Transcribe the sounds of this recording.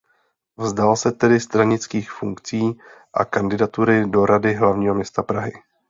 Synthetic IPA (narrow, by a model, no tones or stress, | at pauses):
vzdalsɛt̪ɛdɪst̪ɾaɲɪt͡skiːxfuŋkt͡siːʔa̰kandɪdat̪uɾɪdo̞ɾadɪɦlavɲiːɦo̞mɲɛst̪apɾaɦɪ